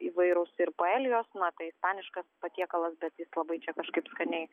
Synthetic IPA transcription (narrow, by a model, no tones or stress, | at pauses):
iʋɐɪɾoʊsɪɾpoːɛːlʲɪjoːsnɐt̪ɐɪɪspɑːnʲɪʃkɐspɐt̪ʲiɛkɐlˠɐsbʲɛt̪jɪslˠɐbɐɪt͡ʃʲɛkɐʃkɐɪpskɐnʲɛɪ